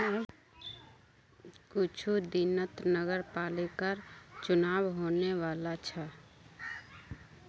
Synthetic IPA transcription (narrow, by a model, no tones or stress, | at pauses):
kʊt͡ʃʰud̪inət̪nəɡəɾpaːlekəɾt͡ʃʊnaːbɦoːnewaːlat͡ʃʰa